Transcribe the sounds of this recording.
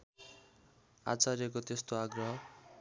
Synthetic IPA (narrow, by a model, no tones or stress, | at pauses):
a̰t͡saɾjʌk̬ot̪est̪oaɡrʌɦʌ